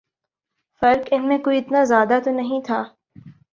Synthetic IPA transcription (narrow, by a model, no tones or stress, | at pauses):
fɐɾkɪnmẽkoːiɪt̪nazjaːd̪at̪onɐɦĩt̪ʰaː